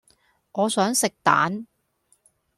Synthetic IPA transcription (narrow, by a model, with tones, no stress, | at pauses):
ŋɔː˨˧sœː˨˥ŋsɪ˨k̚t̪a̰ː˨˥n